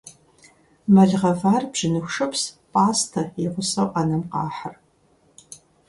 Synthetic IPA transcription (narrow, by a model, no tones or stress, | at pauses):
mɐɮʁɐvaːrbʒɪnɨxʷʂɐpspʼaːstʰɐɪʁʷʊsɐwʔɐnɐmqɑːħər